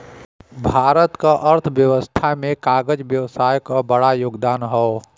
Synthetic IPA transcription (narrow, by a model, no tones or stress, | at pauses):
bʱaːɾət̪kaʔəɾt̪ʰʋjəwəst̪ʰamẽkaːɡəd͡ʒʋjəʋsaːjkabəɽajoːɡd̪aːnɦɔ